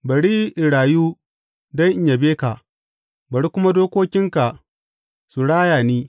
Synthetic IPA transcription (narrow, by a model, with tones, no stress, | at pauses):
bɐ˨ɽi˦ʔɪ˨ɽaː˨ju˦ | dɐ˦ŋʔɪ˦ɲja˨beː˦ka˨ʔ | bɐ˨ɾɽi˦kʷʊ˦ma˦doː˦kʷoː˦kʲɪ˦ŋka˨ | su˨ɽaː˦jaː˨niː˦